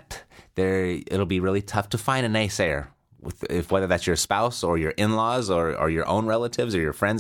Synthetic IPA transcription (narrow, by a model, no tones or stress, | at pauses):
t̪ðə˞ɪ̰ɾl̩ˠbiɹɪlˠitʰʌftʰɨfãɪ̃ndɨneɪsɛɹ | ɪ̰ðɪfwɛðə˞ðætsjə˞spaʊsə˞jə˞ʔɪ̃nlɔzə˞ə̰˞jə˞ʔõ̰ʊ̃nɹɛlˠəɾɪvzə˞jə˞fɹɛ̃ndz